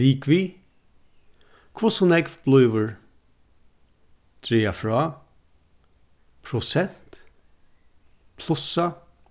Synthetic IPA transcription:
iːkʋi | kʰvɔsɔnɛɡfb̥lœːʋəɹ | d̪̥ɾeːafɹɑː | pʰɾʊsɛn̥t̪ | pʰlˠʊsa

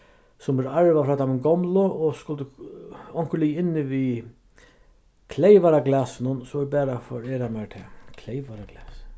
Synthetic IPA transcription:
sʊmvɛɾaɹʋafɾaːt̪ʰamɪnɡɔmlʊɔskʊlt̪ɪɔŋ̥kəlijɪnːɪʋi | kʰlejʋaɾaɡlaːsɪnʊnsɔɪbɛːɾafɔ̰ɾɛːɾamɛɾt̪ʰɛːkʰlejʋaɾaɡlɛːs

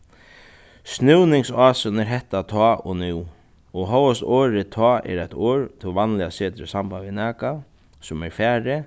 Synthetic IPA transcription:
snɪwnɪŋsaːsʊnɛɾɦɛht̪ːat̪ʰɔːʔɔnɪw | ɔɦɔwəst̪oːɾɪt̪ʰɔːɛ̰ɾajt̪oːɹt̪ʰɪʋanlɪaseːt̪ɾɪsambanvɪnɛːka | sʊmɛɾfɛːɹɪ

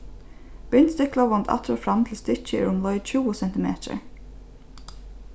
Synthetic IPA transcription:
b̥ʏnt̪st̪ʏklɑʋɑnt̪ʰɑ̰t̪ʰɾoːfɾɑmt̪ʰl̩st̪ʏc͡çəḭːɹʊmlɔʏd̪c͡çuːəsɛnt̪ɪmḛːt̪ʰə̰ɹ

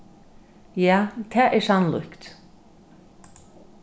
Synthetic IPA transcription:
jaːt̪ʰæːʔɛɹsanlʊ̰kt̪

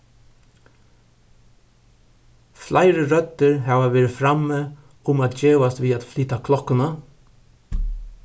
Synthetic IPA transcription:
flʔaɪɹəɹœt̪əɹhɑːʋaʋeːɹɪfɾamːə | ʊmaːt̪d͡ʒeːʋast̪ʋiːat̪flyːt̪akʰlɔkənə

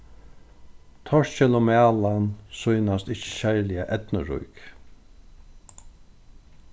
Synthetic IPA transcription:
t̪ʰɔʂɕɛlʊmæːlansujnast̪ɪht͡ʃə̥ɕaɹlɪaʔɛt̪nə̰ɹʊ̰jk

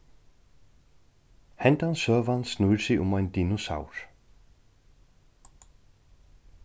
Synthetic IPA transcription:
hɛnt̪ansœːvansnujɾsɪʊmajnt̪inɔsa̰ːwɾ̥

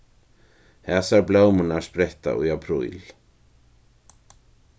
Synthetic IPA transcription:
hɛsaɾplaːwmunaɾ̥spɾejht̪a̰ʔɔ̰japʰɾṵj̰l

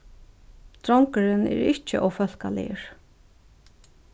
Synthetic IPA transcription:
t̪ɾɔŋkəɾɪnɛ̰ɾɪht͡ʃːɪʔɔwfœl̥kalɪ̰əɹ̥

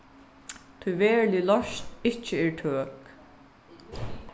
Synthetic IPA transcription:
t̪ʰujʋɛːɹlɪlɔʃt̪ɪht͡ʃəɛɹʈʰøːk

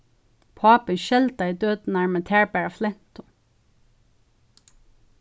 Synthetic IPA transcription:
pʰɑːpənʃɛld̪ɑiːd̪øːd̪n̩æːɹmət̪ʰæːɹbæɹɑflɛn̥t̪ʊ

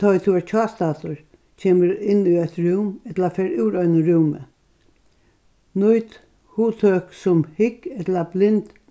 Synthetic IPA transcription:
t̪ʰɔt̪ʰuaɾt͡ʃʰɔːst̪aːt̪ʊɹ | cʰeːməɾɪnːuɛt̪ɹʉːmɛt̪lafɛːɾʉːɾɔʏnʊɹuːmə̰ | nʊjt̪ | huːt̪ʰøːksʊmhɪkɛt̪lɐblɪnt̪

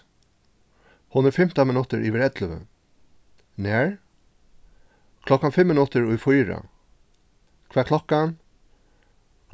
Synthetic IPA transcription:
hʊnɾəfɪm̥t̪amɪnʉt̪əɹʔiʋɪɾɛd̪ləʋə̰ | næːɹ | kʰlɔkanfɪmːɪnʉt̪əɹʊjfujɹa̰ | kʰvɛːkʰlɔkan

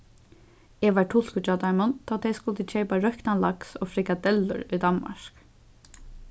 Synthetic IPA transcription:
ɛʋaɹʈʰʊl̥kʊt͡ʃat̪amʊnt̪ʰaːt̪ʰɛjskʊlt̪ɪt͡ʃʰeːpaɾœhknanlaksofɾɪkad̪ɛlːʊ̰ɹʊjd̪anma̰ɹ̥k

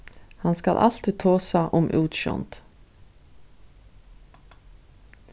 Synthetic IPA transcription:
hanskalʔa̰lt̪t̪ʰoːsaʔʊmʔṵːt̪ʃɔ̰nt̪

